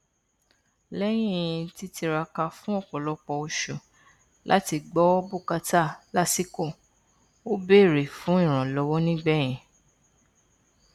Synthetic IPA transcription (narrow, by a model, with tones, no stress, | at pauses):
lɛ˦j̃ĩ˦˨˦ĩ˧ti˦ti˧ɾa˧ka˧fũ˦ɔ˦˨k͡pɔ˨lɔ˨˦k͡pɔ˧o˧ʃo˨ | lʔa̰˦ti˧ɡ͡bɔ˨˦bu˦˨ka˧ta˦˨la˦si˦kɔ˦˨ | o˦be˦˨ɾe˨fũ˨˦ĩ˦˨ɾ̃ã˨lɔ˨˦wɔ˦nĩ˦ɡ͡bɛ˦˨j̃ĩ˨